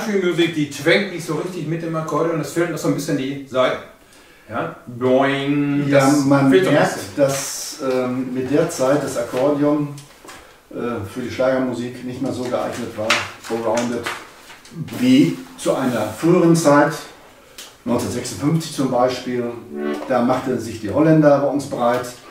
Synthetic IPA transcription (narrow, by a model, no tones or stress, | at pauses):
ʃimjuzik̚d̥iːt͡sv̥ɛŋtnɪçtz̥oʁɪçtɪçmɪt̚d̥eːmakʰɔɐɾijʊmdasfɪːlasz̥oːnbɪsçəndiːzaɪt | jaːbɔɪŋjaːmanmɛɐk̚td̥asʔɛːmɪt̚d̥eːɐt͡saɪt̚d̥asʔakʰɔɐdiʊm | ʔɛːfyːɐdiːʃlaːɡɐmuziːknɪçtmeːɐzoːɡəʔa̰ɪɡnətv̥aːɐfoɐbəɔʊndət | viːt͡suʔaɪnɐfʁyːəʁənt͡saɪt | nɔ̃ʏnt͡snɐtz̥ɛksʊnfʏnft͡sɪçt͡sʊmbaɪʃpiːld̥aːmaχtəzɪçd̥iːhɔlɛndɐʁɔtn̩sb̥əʁaɪt